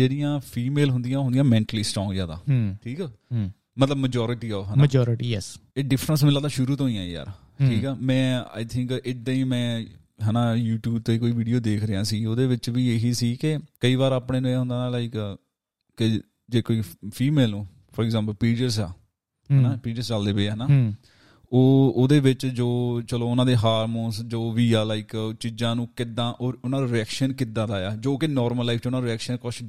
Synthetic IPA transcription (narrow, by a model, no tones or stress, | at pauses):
d͡ʒeːɽɪjãːpʰiːmeːlɦʊnd̪ɪjãːʊnd̪ɪjãːmɛ̃ːɳʈəliːsʈɔ̃ːŋɡzjaːd̪a̰ːʈʰiːkɛː | mət̪ləbməd͡ʒɔːɾɪʈiːɔːʋɦənad͡ʒɔːɾʈiɛseːɖɪpʰɾəns̬mɪlːaːd̪aːʃʊɾuːt̪õːɦĩjãːja̰ːɾ | ʈʰiːkɛːmɛ̃ːa̰ːɪt̪ʰɪ̃ŋkɪd̪ːãːiːmɛ̃ː | ɦənaːjuːʈjuːb̚t̪oːiːkoːiːʋiːɖijoːd̪eːkʰɾəjãːsiːoːd̪eːʋɪt͡ʃʋiːeːɦiːsiːkekəiːʋaːɾaːpɳeːnõeːɦʊ̃nd̪aːnãːlaiːk | kɪ | d͡ʒeːkoːiːpʰiːmeːlõː | pʰɔːɾɛɡzãːmpəlpiːd͡ʒəɾsa̰ː | ɦnaːpiːʈəɾst͡ʃald̪eːbeːɦənaː | oːoːd̪eːʋɪt͡ʃd͡ʒoːt͡ʃəloːʊnãːd̪eːɦaːɾmõːnsd͡ʒoːʋiːaːlaɪkt͡ʃid͡ʒãːnũːkɪd̪ãːʔoːʊnãːɾɪɛːkʃənkɪd̪ãːd̪aːjaːd͡ʒoːkɪnɔːɾməlːaɪfʰt͡ʃʊnãːɾɪɛːkʃənkɔʃ